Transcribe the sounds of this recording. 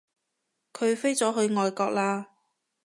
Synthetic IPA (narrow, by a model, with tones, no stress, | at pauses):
kʰɵ˨˧ɥfe˥jt͡sɔː˨˥ɦɵ˨˧ɥŋɔː˨jkɔː˧k̚laː˧